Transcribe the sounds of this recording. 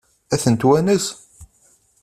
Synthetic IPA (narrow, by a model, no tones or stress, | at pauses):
æθənt̪wænəs